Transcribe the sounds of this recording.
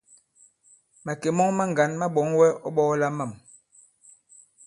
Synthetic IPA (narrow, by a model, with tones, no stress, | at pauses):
ma˨ke˨mɔ˦ŋma˦ŋ˨ɡa˨˦nma˦ɓɔ˨˦ŋwɛ˦ɔ˦ɓɔ˦la˦ma˦˨m